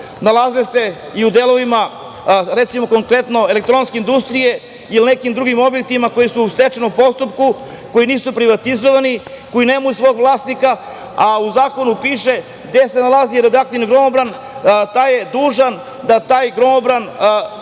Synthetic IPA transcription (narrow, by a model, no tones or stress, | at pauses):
nalˠazese̞ | iud̪elo̞ʋima | ɾet̪simo̞ko̞ŋkɾe̞t̪no̞ele̞k̚t̪ɾo̞nskeind̪ust̪ɾije̞ | ilinekimd̪ɾuɡimo̞bjek̚t̪imakojisuust̪et͡ʃenopo̞st̪up̚ku | ko̞jiniːsupɾiʋat̪izoʋani | ko̞jineːmajusʋoːɡʋlˠaːsnika | auzaːko̞nupiːʃe̞ | ɡd̪esenalazieɾed̪akt̪inɡɾo̞mobɾan | t̪ajed̪uːʒan | d̪at̪aːjɡɾo̞mobɾan